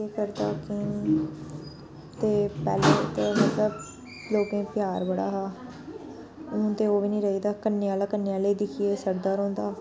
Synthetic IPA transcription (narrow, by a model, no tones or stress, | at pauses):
eːkəɾd̪aːkɪ | t̪eːpɛ̰ːleːt̪emət̪ləb | loːkẽːpɪjaːɾbəɽa̰ːɦaː | ʊ̃t̪eːoːʋiːnĩːɾəɦiːd̪aːkənːeːãːlaːkənːeːãːləiːd̪ɪkʰieːsəɾd̪aːɾõːnd̪aː